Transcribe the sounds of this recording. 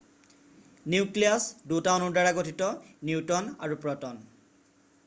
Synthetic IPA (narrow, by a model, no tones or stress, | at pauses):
niukliasdutawnɔɹdaɹaɡotʰitɔniwtɔna̰ɹupɹɔtɔn